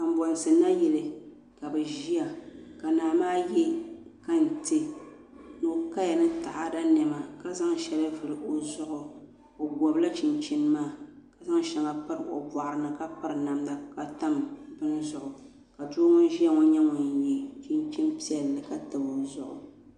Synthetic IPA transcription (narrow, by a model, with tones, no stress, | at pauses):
ka˨m̩˨˦bɔ˨n˨sɨ˨na˦jɛ˨lɨ˨ | ka˨bɛ˨ʒi˦ja˨ka˨naː˨maː˦jɛ˦ka˦n̩˨tɨ˦ | no˨ka˦ja˨nɨ˦ta˨ʔa˦da˦nɛ˨ma˨ka˦za˦ŋʃɛ˦la˦vɨ˨ɾɨ˨ʔo˨zʊ˦ʔʊ˨ | o˨bɔ˨bla˦t͡ʃi˨nt͡ʃi˦n˦maː˦ka˨za˦ŋ˦ʃɛ˨ŋa˨pɨ˦ɾɨ˨ʔo̰˨ba˨ʔɾɨ˨nɨ˨ka˦pɨ˦ɾɨ˨na˨mda˨ka˨ta˦mbɨ˦n˦zʊ˨ʔʊ˨ | ka˨do˦ŋɔ˦ʒi˦a˦ŋɔ˦ɲɛ˦ŋʊ˨ɲji˨t͡ʃi˦nt͡ʃi˦n˦pi˦ɛ˨lːɨ˨ka˦tɨ˨bo˨zʊ˦ʔʊ̰˨